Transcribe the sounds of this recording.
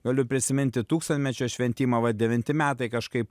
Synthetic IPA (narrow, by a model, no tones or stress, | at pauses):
ɡɐlʲʊpʲɾʲɪsʲɪmʲɪnʲt̪ʲɪt̪uːkst̪ɐnʲmʲɛt͡ʃʲoːʃʲʋʲɛnʲt̪ʲiːmɐʋɐd̪ʲɛʋʲɪnʲt̪ʲɪmʲæːt̪ɐɪkɐʃkɐɪp